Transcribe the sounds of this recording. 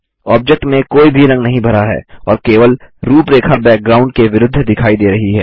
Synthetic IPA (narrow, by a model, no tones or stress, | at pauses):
ɔːb̚d͡ʒɛk̚ʈmẽkoːibʱiɾɐ̃ŋɡnɐɦĩbʱɐɾaɦɛ̰ːɔːɾkeːʋəlɾuːpɾeːkʰabɛːk̚ɡɾaːʊ̃ɳɖ̚keʋɪɾʊd̪ʱːd̪ɪkʰaːid̪eːɾɐɦiɦɛ̰ː